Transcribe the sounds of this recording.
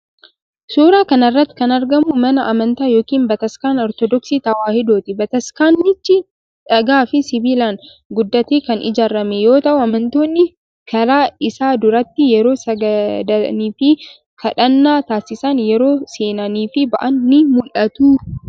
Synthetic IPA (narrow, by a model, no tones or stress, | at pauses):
suːɾaːkɐnɐrːɐt̪ːɪ̥kɐnɐɾɡɐmʊmɐnɐʔɐmɐnt̪aːjoːkiːnbɐt̪ɐskaːnɔɾt̪ɔd̪ɔksiːt̪ɐwaːhɪd̪oːt̪ɪbɐt̪ɐskaːnːɪt͡ʃːɪ | ᶑɐɡaːfɪsɪbiːlaːn | ɡʊd̪ːɐt̪eːkɐnɪ̰d͡ʒaːɾːɐmɛjo̞ːt̪ɐʔʊɐmɐnt̪o̞ːnːɪ | kʰɐɾaːɪsaːd̪ʊɾɐt̪ːɪjɛɾo̞ːsɐɡd̪niːfɪ | fɐᶑɐnːaːt̪aːsɪsɐnjɛɾo̞ːseːnɐniːfɪbɐʔɐnːɪmʊlʔɐt̪uː